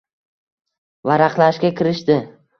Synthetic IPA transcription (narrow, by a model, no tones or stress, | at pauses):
vaɾaqlˠaʃkʲakʲɪɾɪʃt̪ɪ